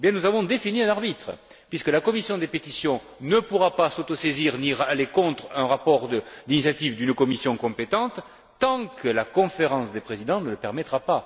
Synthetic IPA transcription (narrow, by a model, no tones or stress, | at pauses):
ebjɛ̃nuzavɔ̃d̪efiniɛ̃naʁbit̪χə | pɥiskəlakɔmisjɔ̃d̪epet̪isjɔ̃ | nəpuʁapasot̪oseziʁniʁalekɔ̃t̪χɛ̃ʁapɔʁd̪əd̪inisjat̪ivd̪ynkɔmisjɔ̃kɔ̃pet̪ɑ̃t̪ | t̪ɑ̃kʰəlakɔ̃feʁɑ̃sd̪epχezid̪ɑ̃nələpɛʁmɛt̪χapa